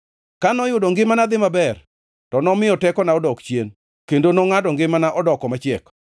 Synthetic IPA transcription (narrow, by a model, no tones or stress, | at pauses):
kanɔjʊdɔŋɡɪmanad̪ɪmabɛr | tɔnɔmɪɔtɛkɔnaɔdɔkt͡ʃjen | kendonoŋadɔŋɡɪmanaʔɔdɔkɔmat͡ʃɛk